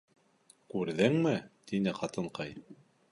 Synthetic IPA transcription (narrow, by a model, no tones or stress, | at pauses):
kʉɾðɘŋmɘt̪inɘqɑt̪ɤ̆ɴqɑj